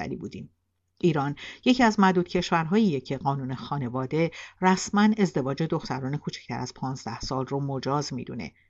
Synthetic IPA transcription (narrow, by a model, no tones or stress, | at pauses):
æ̰ɾḭbuːd̪iːm | ʔiːɾɒːnje̞cʰiæzmæd̪uːd̪̥̚cʰe̞ʃvæɾɦɒːjijecʰe̞ɢɒːnuːne̞xɒːne̞vɒːd̪e̞ræsmæne̞zd̪e̞vɒːd͡ʒe̞d̪o̞xt̪ʰæɾɒːne̞kʰuːt͡ʃʰi̥cʰt̪ʰæ̰ɾæz̥pʰɒːnzd̪æhsɒːlromo̞d͡ʒɒːzmḭːd̪ṵne̞̰